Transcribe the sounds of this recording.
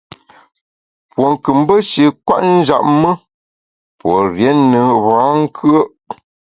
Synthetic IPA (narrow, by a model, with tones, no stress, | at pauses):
pwo˨ŋ˨kɨ˨m˦bə˦ʃi˨kwa̰˦ʔn̩˦d͡ʒa̰˨ʔ̚mə˦ | pwo˨ɾjɛ˨˦nə˨βa˨˦ŋ̩˦kʰɰə˦ʔ